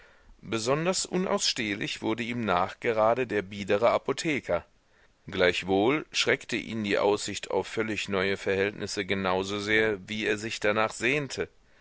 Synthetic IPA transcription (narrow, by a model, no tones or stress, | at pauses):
b̥əzɔndɐsʔʊnʔa̰ʊsʃteːlɪ̰çv̥ʊɐdəʔiːmnaːχɡ̥əʁaːdədeːɐbiːdəʁ̞əapotʰɛːkʰɐ | ɡ̥laɪçv̥oːlʃʁ̥ɛktəʔḭːmdiːʔa̰ʊsz̥ɪçtʰa̰ʊfœlɪçnɔʏəfɛɐhɛltnʔɪsəɡənaʊzozeːɐviːeːɐzɪçd̥anaːχz̥eːntʰə